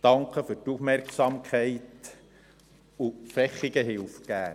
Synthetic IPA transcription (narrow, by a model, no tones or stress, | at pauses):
d̥ɑŋkχəfɵɾtufmɛrksɑmkʰχɛɪt | ufɛχiɡəɦɪlfɡ̥æː